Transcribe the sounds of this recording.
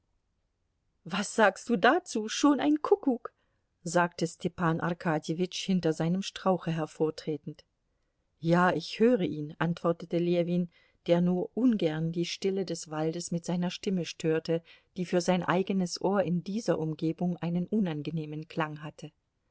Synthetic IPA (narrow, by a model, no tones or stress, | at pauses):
vasz̥aːkstd̥uːdat͡suːʃoːnaɪnkʰʊkuk | zaːk̚təstʰɛpaːnʔa̰ɐʁkʰaːdjevɪt͡ʃhɪntɐzaɪnəmʃtʁ̥aʊxəɦɛɐfoːɐtʁ̥eːtn̩t | jaːɪçhøːʁəʔiːnʔantv̥ɔɐtətəleviːn | d̥eːɐnuːɐʔʊnɡɛɐndiːʃtɪlədɛsv̥aldəsmɪtz̥aɪnɐʃtɪməʃtʰøːɐtəd̥iːfyːɐzaɪnʔa̰ɪɡənəsʔoːɐɪndiːzɐʔʊmɡeːbʊŋʔaɪnənʔʊnanɡəneːmənkl̥aŋɦatʰə